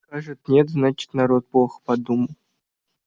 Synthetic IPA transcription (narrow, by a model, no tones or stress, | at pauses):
kaʐɨt̪nʲet̪znat͡ɕɪ̥t̪naɾot̪̚plˠoxpad̪uməlˠ